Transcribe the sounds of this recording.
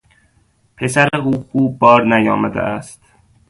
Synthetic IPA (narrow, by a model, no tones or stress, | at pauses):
pʰesæɾeuːxuːbɒːɾnæjɒːmæd̪æ̰ʔæst̪